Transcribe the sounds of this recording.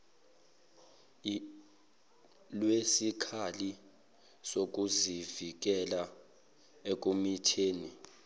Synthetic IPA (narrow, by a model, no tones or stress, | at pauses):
lwesikʰali | sok̬ʼuzivik̬ɛla | ek̬ʼumitʰeːni